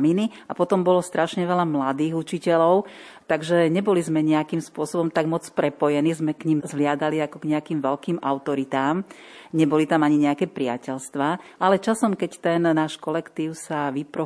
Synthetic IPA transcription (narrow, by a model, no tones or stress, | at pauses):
mini | apɔt̪ɔmbɔlɔst̪ɾʔaʃɲɛʋɛlamlad̪iːɣut͡ʃicɛlɔʊ | t̪aɡʒɛɲɛbɔlizmɛɲɛakimspʊɔsɔbɔmt̪aɡmɔt͡spɾɛpɔjɛnizmɛkɲimzʋlɪad̪aliakɔɡɲɛakiːmʋɛlkiːmʔa̰ʊt̪ɔɾit̪aːm | ɲɛbɔlit̪amaɲiɲɛakɛːpɾɪa̰cɛʎst̪ʋaːalɛt͡ʃasɔmkɛct̪ɛnnaːʃkɔlɛkt̪iːʊsaʋipɾɔ